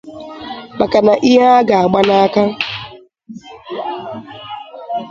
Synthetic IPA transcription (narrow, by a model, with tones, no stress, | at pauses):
ma˨ka˨na˨ʔi˦ɦa˦a˦ɡa˨a˨ɡ͡ba˦na˦a˦ka˦